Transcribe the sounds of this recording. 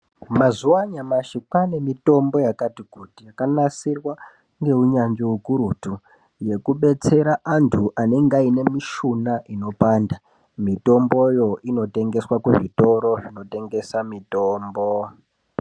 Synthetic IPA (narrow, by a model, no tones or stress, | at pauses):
mazuwaɲamaʃikwane̞mito̞mbo̞jakatikutijakanasirwa | ŋɡe̞uɲand͡ʒiukuɾutu | je̞kuɓe̞t͡se̞ɾaʔantʰuʔane̞ŋɡaine̞miʃunaʔino̞paːnda | mito̞mbo̞jo̞ino̞te̞ŋɡe̞swakuʐito̞ɾo̞ʐino̞te̞ŋɡe̞samitoːmbo